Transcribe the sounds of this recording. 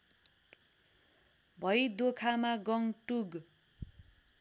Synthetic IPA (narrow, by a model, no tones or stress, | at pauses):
bʱʌjd̪okʰamaɡʌŋʈuɡ